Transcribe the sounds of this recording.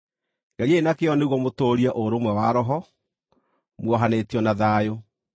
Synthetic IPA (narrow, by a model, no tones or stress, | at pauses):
ŋɡɛɾienakeɔneɣwɔmotoːɾiaʔoɾomwɛwaɾɔɦɔ | mwɔɦanetiɔnaðaːjo